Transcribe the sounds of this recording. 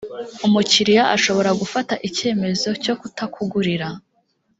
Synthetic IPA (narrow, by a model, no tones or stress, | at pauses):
umuciɾijaʔa̰ʃo̞βo̞ɾaɡufataʔice̞ːme̞zo̞co̞kutakuɡuɾiɾa